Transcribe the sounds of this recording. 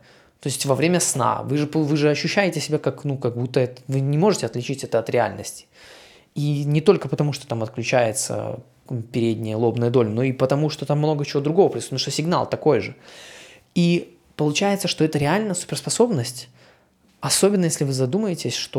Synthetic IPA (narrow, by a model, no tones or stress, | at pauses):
t̪o̞ɪsʲtʲvɐvɾʲemʲəsna̰vɨʐɨpvɨʐɨɐɕːʉɕːæjɪtʲɪsʲɪbʲakaknukɐɡ̚but̪ːəɛt̪vɨnʲɪmo̞ʐɨtʲɪɐt̪lʲɪt͡ɕitʲɛt̪əɐt̪ɾʲɪa̰lʲnəsʲtʲɪ̥ | inʲɪt̪o̞lʲkəpət̪ɐmuʂt̪ot̪amɐt̪klʲʉt͡ɕæjɪt̪sə̰ | pʲɪɾʲedʲnʲɪjəlˠo̞bnəjəd̪o̞lʲno̞ipət̪ɐmuʂt̪o̞t̪amːno̞ɡət͡ɕɪvod̪ɾʊɡo̞vəpɾʲɪsunʂt̪osʲɪɡna̰lˠt̪ɐko̞jʐɨ | i | pəlˠʊt͡ɕæjɪt̪səʂt̪o̞ɛt̪əɾʲɪalʲnəjəsʊ̥pʲɪrspɐso̞bnəsʲtʲ | ɐso̞bʲɪnːəjesʲlʲɪvɨzɐd̪uməjɪtʲɪsʲʂt̪o